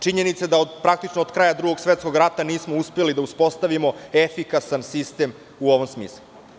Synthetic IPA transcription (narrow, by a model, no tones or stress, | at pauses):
t͡ʃiɲenit̪sed̪aod̪pɾak̚t̪it͡ʃnood̪kɾaːjad̪ɾuɡo̞ɡsʋet̪sko̞ɡɾat̪aniːsmouspelid̪auspo̞st̪aʋimo̞efikasansist̪e̞m | uoʋomsmiːslˠu